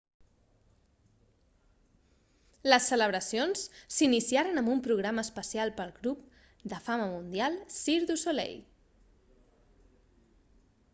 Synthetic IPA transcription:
ləsːələβ̞ɾəsionssinisiaɾənəmbumpɾuɣɾaməːspəsialˠpəlˠɣɾup | d̪əfaməmund̪ialˠsiɾðusolḛj

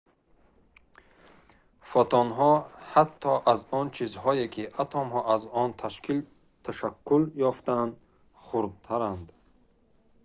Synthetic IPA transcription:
fɔt̪ʰɔnɦɔhat̪ʰːɔʔazɔnt͡ʃʰizhɔekʰiʔat̪ʰɔmhɔʔazɔnt̪ʰaʃkil | t̪ʰaʃakːuljɔft̪and̪ | χuɾd̪̚t̪ʰaɾand̪

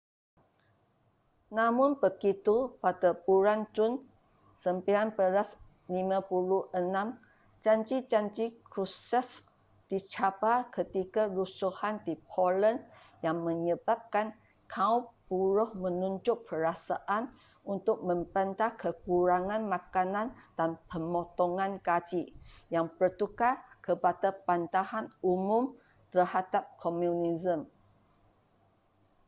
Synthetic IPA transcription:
namʊnbəɡit̪upadapuɾand͡ʒʊn | səmpiɾanpəɾas | limãpuluənãm | d͡ʒaɲd͡ʒid͡ʒaɲd͡ʒikɾusɛf | d̥it͡ʃabakət̪ikaɾusuhandipʰɔlən | jaŋmə̃ɲəbap̚kan | kʰaupːuɾʊhmə̃nuɲd͡ʒʊʔ̚pəɾasaʔan | unt̪ʊk̚mə̃mpənt̪ahkəkuɾaŋãnmãkanãnd̥anpəmɔt̪ɔŋãnkad͡ʒijaŋpərt̪ukakəpadapant̪ahanumũm | t̪ərhadap̚kʰɔmjunizəm

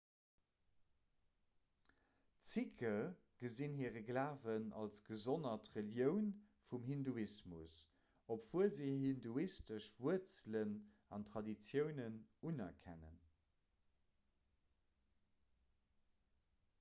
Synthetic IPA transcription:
t͡sikʰə | ɡ̥əzinɦiəʁəɡlaːvənɑ̰lsɡ̥əzonɐtʁəljəʊnfumɦinduismus | opv̥uəlziɦinduistəʃvuət͡slən | ɑntʁɑdit͡sjəʊnənunɐkʰæ̰nə̰n

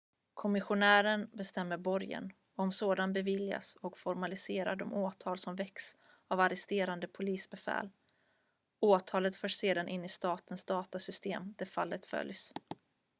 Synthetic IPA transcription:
kʰɔmɪɧʊnæːɾənbɛst̪ɛmːəɾbɔɾjə̰n | ɔmsoːd̪anbɛvɪlja̰sɔkfɔɾmalɪseːɾa̰ɖɔmʔoːt̪ʰɑːlsɔmvɛks | avaɾɛst̪eːɾand̪əpʰʊliːsbɛfɛ̰ːl | oːt̪ʰɑːlət̪fœːʂseːd̪anʔɪnːɪst̪ɑːt̪ənsd̪ɑːt̪asʏst̪eːmd̪̥æɾfa̰lːət̪fœ̰ljs

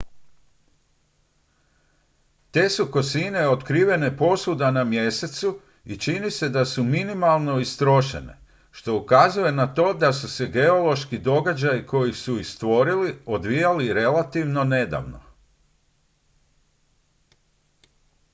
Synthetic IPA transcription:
t̪e̞ːsuko̞sine̞ot̪kɾiːʋe̞ne̞po̞sud̪anamje̞se̞t̪su | it͡ʃinise̞d̪asuminimalˠno̞ist̪ɾo̞ʃe̞̰ne̞̰ | ʃt̪o̞ukazuje̞nat̪o̞ːd̪asuse̞ɡe̞o̞lo̞ʃkid̪o̞ɡad͡ʑajiko̞jisuixst̪ʋo̞ɾiliod̪ʋijaliɾe̞lat̪iʋno̞ne̞d̪a̰ʋno̰

